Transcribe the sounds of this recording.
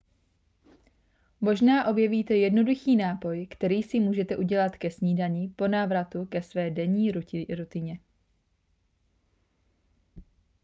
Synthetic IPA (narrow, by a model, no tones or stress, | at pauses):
mo̞ʒnaːʔo̞bjɛviːt̪ɛjɛdno̞duxiːnaːpo̞jkt̪ɛɾiːsɪmuːʒɛt̪ɛʔuɟɛlat̪kɛsɲiːdaɲiːpo̞naːvɾat̪ukɛsvɛːdɛɲiːɾɾut̪ɪɲɛ